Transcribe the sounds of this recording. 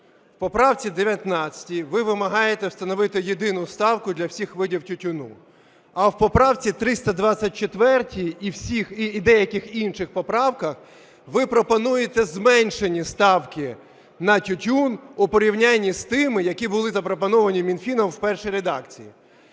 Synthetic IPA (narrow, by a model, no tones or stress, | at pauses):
wpɔpɾɑwt͡sʲid̪eʋʲjɐt̪nɑt͡sʲɐ̥tʲiʋɪʋɪmɐɦɑjet̪ɛwst̪ɐnɔʋɪt̪ɪjed̪ɪnʊst̪ɑwkʊd̪lʲɐwsʲixʋɪdʲiwtʲʊtʲʊnṵ | ɐwpɔpɾɑwt͡sʲit̪ɾɪst̪ɐd̪ʋɑt͡sʲːɐt̚ʲt͡ʃet̪ʋɛrtʲiːwsʲixiːd̪ɛjɐkɪxinʃɪxpɔpɾɑwkɐx | ʋɪpɾɔpɔnujet̪ɛzmɛnʲʃenʲist̪ɑwkɪ | nɐtʲʊtʲunʊpɔɾʲiwnʲanʲːist̪ɪmɪjɐkʲibʊlˠɪzɐpɾɔpɔnɔʋɐnʲimʲinfʲinɔmwpɛrʃijɾed̪ɑkt͡sʲijḭ